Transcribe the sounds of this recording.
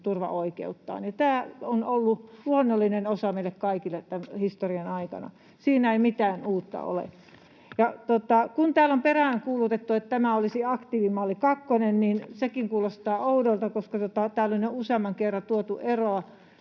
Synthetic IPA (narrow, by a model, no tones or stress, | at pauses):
t̪urʋɑ̰ʔoikḛut̪ːɑ̰ːnjɑt̪æːonolːuluonːolːinenosɑmeilːekkɑikilːett̪ænhist̪oriɑnɑikɑ̰nɑ̰ | siːnæeimit̪æːnuːt̪ːɑ̰o̰lḛ | jɑt̪ot̪ɑkunt̪æːlomperæˑŋkuːlut̪et̪ːuet̪t̪æmæolisiɑkt̪iːʋimɑːlːikɑkːonenninsekiŋkuːlost̪ɑːoudoilt̪ɑkoskɑt̪ot̪ɑt̪æːlolinnouseɑmːˑɑŋkerːɑt̪uot̪uʔeroɑ